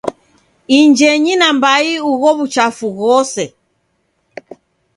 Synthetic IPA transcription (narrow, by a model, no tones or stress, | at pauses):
iɲd͡ʒɛɲinambaiuɣɔβut͡ʃafuɣɔsɛ